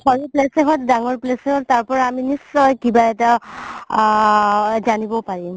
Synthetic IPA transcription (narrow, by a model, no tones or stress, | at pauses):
xɔɹiplɛseɦɔtdaŋɔɹplɛseɦɔttaɹpɔɹaaminisːɔjkibaɛta | zanibɔpaɹim